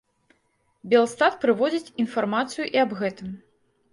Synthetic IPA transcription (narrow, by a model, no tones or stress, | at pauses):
bʲɛlˠst̪at̪pɾɨvɔd͡zʲit͡sʲinfarmat̪sɨjuʔiɐbɣɛt̪ɨm